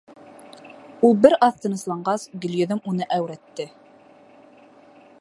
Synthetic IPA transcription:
ulˠbɘɾɑθt̪ɤ̆nɤ̆slˠɑɴɢɑsɡɵ̆lʲjɵ̆ðɘmunɤʔæwɾæt̪ːɘ

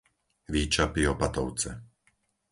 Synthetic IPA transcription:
ʋiːt͡ʃapiɔpat̪ɔʊt͡sɛ

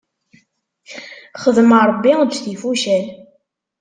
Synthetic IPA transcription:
χəðməɾˤbːidθifuʃæl

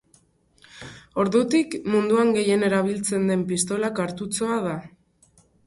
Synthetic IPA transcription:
o̞ɾðut̪ikmund̪uaŋɡe̞je̞ne̞ɾaβ̞ilt͡se̞nd̪e̞mpist̪o̞lakaɾt̪ut͡so̞að̞a

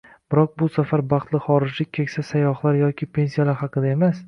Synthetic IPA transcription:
b̥ɪɾɒq̚bʊsafaɾbɑqt̪lˠɪχɒɾɪd͡ʒlɪk̚ʲkʰʲːekʲsasajɒχlˠaɾjɒkʲʰɪpʰe̞nsijalaɾhɑqɨd̪ae̞mas

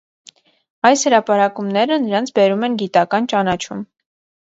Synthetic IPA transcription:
ɑjshəɾɑpɑɾɑkumnɛɾənəɾɑnt͡sʰbɛɾumɛnɡit̪ɑkɑnt͡ʃɑnɑt͡ʃʰum

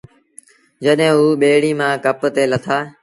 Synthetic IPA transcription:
d͡ʑəɗɦẽːɦuːɓeːɽiːmãːkəpt̪eːlət̪ʰaː

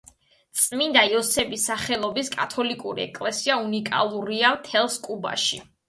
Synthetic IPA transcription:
t̪sʼmind̪aiɔsɛbisaχɛlˠɔbiskʼat̪ʰɔlikʼuɾḭɛ̰kʼlɛsiaunikʼa̰lˠuɾiamt̪ʰɛlˠskʼuba̰ʃi

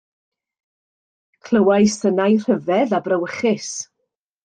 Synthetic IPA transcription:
kʰl̥ˠəwajsənajr̥əvɛðabrəwəχɪs

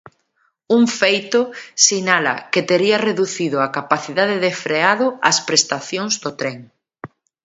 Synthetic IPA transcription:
uŋfejt̪ʊsinalɐ̰ket̪eɾiɐreðuθiðʊakapaθiðaðeðefɾeaðʊɐspɾest̪aθjoŋzðot̪ɾeŋ

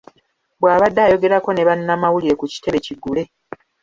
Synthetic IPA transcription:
bwaːβadːaːjo̞ɡe̞ɾako̞ne̞βanːamawuliɾe̞kuci̥te̞βe̞ciɡːule̞

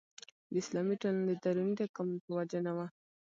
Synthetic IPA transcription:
d̪əɪslɑmiʈaland̪əd̪aɾunid̪akampəwad͡ʒənawa

